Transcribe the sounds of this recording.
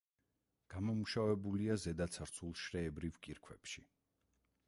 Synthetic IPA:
ɡ̥amɔmuʃavɛbuliazɛd̪at̪sʰaɾt̪sʰulˠʃɾɛːbɾivkʼiɾkʰwɛpʃi

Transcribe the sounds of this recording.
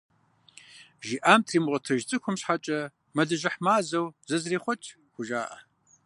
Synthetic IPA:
ʒiːʔaːmtʰriːmʁʷɔtʰɐʒt͡sʼɨkʷʰʊmɕħat͡ʃʼɐ | mɐɮɐʒɪħmaːzɐwzɐzriːχʷɔt͡ʃʼ | xʷʊʒaːʔɐ

